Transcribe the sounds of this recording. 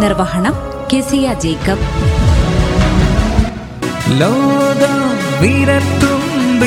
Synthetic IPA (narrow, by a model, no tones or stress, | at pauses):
nɪrʋɐɦɐɳɐm | keːsijaːd͡ʑejkɐp | lɐwd̪ɐlʋiːɾɐt̪ːumb